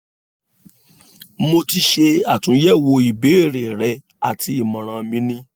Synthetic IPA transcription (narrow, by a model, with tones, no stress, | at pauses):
mo˧ti˧ʃe˧a˨tũ˨˦jɛ˦˨wo˧i˨be˨˦e˦˨ɾe˨ɾɛ˧˦ | a̰˨tʰi˨˧i˦˨mã˨ɾ̃ã˧mĩ˦nĩ˦